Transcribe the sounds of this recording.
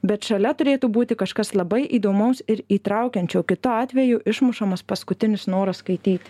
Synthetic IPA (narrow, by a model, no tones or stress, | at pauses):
bʲɛt̪ʃɐlʲɛt̪ʊɾʲeːt̪uːbuːt̪ʲɪkɐʃkɐslˠɐbɐɪʔiːd̪oːmɐʊsɪɾiːt̪ɾɐˑʊkʲɛnʲt͡ʃʲɛʊkʲɪt̪ʊɑːt̪ʲʋʲɛjʊʔɪʃmʊʃɐmɐspɐskʊt̪ʲɪnʲɪsnoːɾɐsskɐɪt̪ʲiːt̪ʲɪ